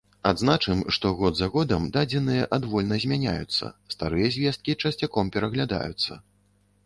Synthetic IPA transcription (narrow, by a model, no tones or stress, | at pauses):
ad̪znat͡ʂɨmʂt̪ɔɣɔd̪zaɣɔd̪ɐmd̪ad͡zʲɛnɨjɐʔad̪vɔlʲnɐzʲmʲanʲa̰jut̪sːɐ̰st̪aɾɨjɐzʲvʲɛst̪̚kʲit͡ʂɐsʲt͡sʲakɔmpʲɛɾɐɣlʲad̪a̰jut̪sːɐ̰